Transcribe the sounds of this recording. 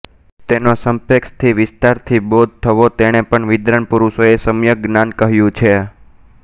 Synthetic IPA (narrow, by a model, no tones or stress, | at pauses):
t̪enosəmpekst̪ʰiʋɪst̪aɾt̪ʰibod̪̚ʱt̪ʰəʋot̪eɳ̃epəɳʋɪd̪ɾənpuɾuʃoesəmjəɡnankəɦjũt͡ʃʰe